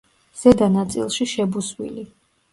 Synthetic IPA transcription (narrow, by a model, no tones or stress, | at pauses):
z̥ɛd̪anat̪sʼḭlˠʃiʃɛbuswḭli